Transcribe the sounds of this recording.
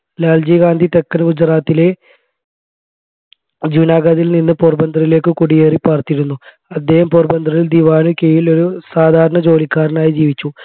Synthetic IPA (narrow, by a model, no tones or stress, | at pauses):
laːld͡ʑiɡaːnd̪ʱit̪ekːɐnɡud͡ʑraːt̪ːile̞ | d͡ʑunaːɡaðilninːɨporbɐnd̪ʱrɐjile̞ːkːɨkuɽijeːripɐrt̪iɾunːu | ɐd̪ːe̞ːhɐmporbɐnd̪ʱrɐjild̪iʋaːnukejilo̞ɾusaːd̪ʱaːɾɐɳɐd͡ʑo̞ːlikːaːɾɐnaːjid͡ʑiːʋit͡ɕːu